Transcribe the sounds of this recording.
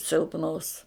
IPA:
sʲɪlˠpˈnoːs

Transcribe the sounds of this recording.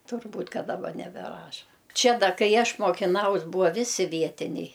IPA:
tʊrˈbuːtʲ ˈkɐ dɐˈbɐ nʲɛbʲɛˈrɑːʃɐ ˈt͡ʃʲɛ ˈdɐ ˈkɐɪ ˈɐʃ moːkʲɪˈnɐʊs ˈbuːɐ ˈʋʲɪsʲɪ ˈʋʲiɛtʲɪnʲɛɪ

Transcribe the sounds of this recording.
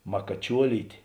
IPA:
mɐkɐˈt͡ʃʲuɔlʲiːtʲeː

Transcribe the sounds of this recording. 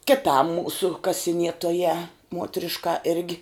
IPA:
kʲɪˈtɐm ˈmuːsʊ kɐsʲɪˈnʲiɛtoːjæː ˈmuɔtʲrʲɪʃkɐ ˈɪrʲɡʲɪ

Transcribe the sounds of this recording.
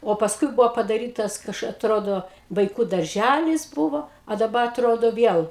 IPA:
oː pɐsˈkʊɪ ˈbʊʋoː pɐdɐˈrʲiːtɐs ˈkɐʃ ɐtˈroːdoː ʋɐɪˈkuː dɐrʲˈʒʲælʲɪs ˈbʊʋoː ɐ dɐˈbɐ ɐtˈroːdoː ˈʋʲiɛlˠ

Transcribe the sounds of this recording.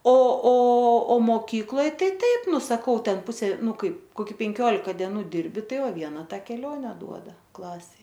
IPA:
oː oː oː moːˈkʲiːklˠoːj ˈtɐɪ ˈtɐɪp ˈnʊ sɐˈkɐʊ ˈtʲɛn ˈpʊsʲeː ˈnʊ ˈkɐɪp koːˈkʲɪ pʲɛŋʲˈkʲoːlʲɪkɐ dʲiɛˈnuː ˈdʲɪrʲbʲɪ ˈtɐɪ ˈʋɐ ˈʋʲiɛnɐ ˈtɐ kʲɛˈlʲoːnʲɛ ˈduɔdɐ ˈklˠɑːsʲɛɪ

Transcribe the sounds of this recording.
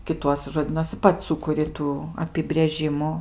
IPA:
kʲɪˈtuɔsʲɪ ʒoːˈdʲiːnuɔsʲɪ ˈpɐts ˈsʊkʊrʲɪ ˈtuː ɐpʲɪbʲrʲeːˈʒʲɪmʊ

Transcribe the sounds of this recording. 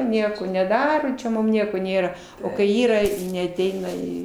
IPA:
ˈnʲiɛkoː nʲɛˈdɑːroː t͡ʃʲɛ ˈmʊm ˈnʲiɛkoː ˈnʲeːrɐ ˈoː kɐɪ ˈiːrɐ nʲɛɐˈtʲɛɪnɐ ˈiː

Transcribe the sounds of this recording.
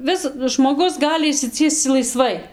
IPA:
ˈʋʲɪsɐdʊ ʒmoːˈɡʊs ˈɡɑːlʲɪ ɪʃʲsʲɪˈt͡sʲiɛst͡s lˠɐɪˈsʋɐɪ

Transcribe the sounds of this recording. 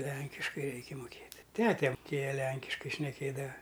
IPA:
ˈlʲɛŋʲkʲɪʃkɐɪ ˈrʲɛɪkʲɪ mʊˈkʲeːtʲ ˈtʲæːtʲɛ mʊˈkʲeːjɛ ˈlʲɛŋʲkʲɪʃkɐɪ ʃʲnʲɛˈkʲeːdɐʋɐ

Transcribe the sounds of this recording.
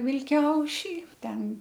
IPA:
ʋʲɪlʲˈkʲɛʊʃʲiː ˈtʲɛn

